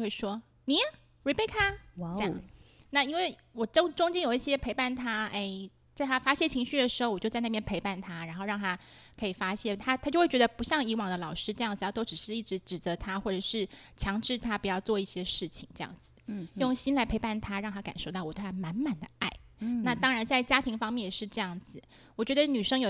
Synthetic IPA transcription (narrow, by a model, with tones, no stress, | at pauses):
xwe˥˩ɪʂwɔ˥ | ni˨˩˦ | wpe˥˩ɪk̪ʰa˥˩wɑ˩˥na˥˩˧i˥nwe˥˩ɪ | wɔ˨˩ʈ͡ʂo˥ŋʈ͡ʂʊ˥ŋt͡ɕjɛ˥njo˨˩ʊi˥˩ɕjɛ˥pʰe˧˥ɪpa˥˩nt̪ʰa˥e˥˩ɪ | t͡sa˥˩ɪt̪ʰa˥fa˥ɕjɛ˥˩t͡ɕʰi˧˥ŋɕy˥d̪ə˩ʂɻ̩˧˥xo˥˧wt͡ɕjo˥˧t͡sna˥˩jɛ˥npʰe˧˥ɪpa˥˩nt̪ʰa˥ɻa˧˥nxo˥˧ʊɻɑ˥˩ŋt̪ʰa˥ | kʰɤ˧˥i˨˩fa˥ɕjɛ˥˩nt̪ʰa˥t̪ʰa˥t͡ɕjo˥˧xwe˥˩t͡ɕɥɛ˧d̪ə˧pu˧˥ɕjɑ˥˩ŋi˧˥wɑ˨˩ŋd̪ə˦lɑ˨˩ʊʂɻ̩˥ʈ͡ʂɤ˥˧jɑ˥˩ŋd͡z̩˨˩jt̪o˥ʊʈ͡ʂ̩˨˩ʂɻ̩˥˧i˥˩ʈ͡ʂɻ̩˧˥ʈ͡ʂɻ̩˨˩t͡sɤ˧˥t̪ʰa˥xwɔ˥˩ʈ͡ʂə˨˩ʂɻ̩˥˩t͡ɕʰjɑ˧˥ŋʈ͡ʂɻ̩˥˩t̪ʰa˥pu˨˩jɑ˥˧ʊt͡swɔ˥˧i˥˩ɕjɛ˥ʂɻ̩˥˩t͡ɕʰi˨˩ŋʈ͡ʂɤ˥˧jɑ̰˥˩ŋd͡zɹ̩˨˩jʊ˥˩ŋɕi˥nla˧˥ɪpʰe˧˥ɪpa˥˩nt̪ʰa˥ɻɑ˥˩ŋt̪ʰa˥ka˨˩nʂo˥˩ʊt̪ɑ˥˩ʊwt̪w̪ʰa˥ma˧˥nma˨˩nd̪ə˦a˥˩ɪna˥˩t̪ɑ˥ŋɻa˧˥nt͡sa˥˩ɪt͡ɕja˥t̪ʰi˧˥ŋfɑ˥ŋmjɛ˥˩njɛ˨˩ʂɻ̩˥˧ʈ͡ʂɤ˥˧jɑ˥˩ŋd͡zɹ̩˨˩ | wɔ˨˩t͡ɕɥɛ˧˥d̪ə˧ny˨˩ʂɤ˥ŋjo˨˩